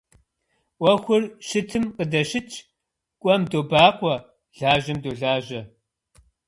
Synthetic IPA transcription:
wʷɐxʷʊrʃɨtʰɨmqədɐʃɪt͡ʃʰʼ | kʷʼɔmdoːbaːqʷʼɔ | ɮ̥aːʒɐmdoːɮaːʒɐ

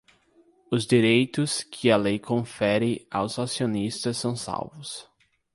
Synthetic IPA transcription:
ʊzd͡ʒiɾejt̪ʊskʰɪɐlejkʰõfɛɾɪawzasionist̪ɐsːɐ̃w̃sa̰wvʊs

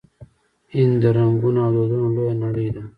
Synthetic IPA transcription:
ind̪ɐɾɐŋɡunad̪od̪ulonɐɽid̪a

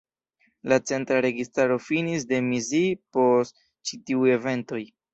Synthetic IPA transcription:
lat͡se̞ntɾaɾe̞ɡistaɾo̞finisde̞mizipo̞st | t͡ʃitiuje̞ve̞nto̞j

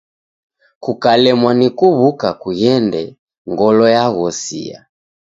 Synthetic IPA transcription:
kukalɛmwanikuβukakuɣɛndɛ | ŋɡɔlɔjaɣɔsḭa̰

